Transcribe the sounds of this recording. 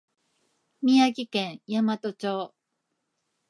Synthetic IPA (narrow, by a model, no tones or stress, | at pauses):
mʲiaɡʲikẽɰ̃jamat̪o̞t͡ɕoː